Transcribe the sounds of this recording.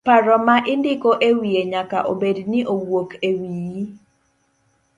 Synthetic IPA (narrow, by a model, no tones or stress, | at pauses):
paɾɔmaʔɪndɪkoʔewieɲaka̰ʔobednɪʔowokʰewiji